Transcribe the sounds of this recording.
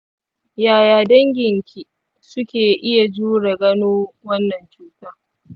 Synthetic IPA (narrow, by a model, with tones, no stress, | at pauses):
jaː˨jaː˨dɐ˦ŋɡʲɪ˨ŋkʲʰi˨ | sʊ˦kʲeː˨ʔɪ˦ja˨d͡ʒuː˦ɽe˨ɡɐ˦noː˦wɐ˦nːɐ˨nt͡ʃuː˦taː˦